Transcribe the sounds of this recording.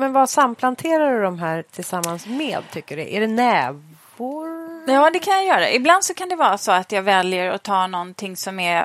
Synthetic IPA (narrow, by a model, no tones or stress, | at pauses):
mɛnvasampʰlant̪ʰeːɾad̪ɵd̪ɔmɦæːɾt̪ʰɪlsamːansmeːd̪̚t̪ʰʏkːəɖɛ̰ʔæɖɛnɛːv | ʊɾjɑːd̪ɛkʰanjajœːɾa̰ʔɪbland̪sɔkʰand̪ɛvɑːɾasɔat̪jɑːvɛljəɾɔ̰t̪ʰɑːnɔnt̪ʰɪŋːsɔmæɾ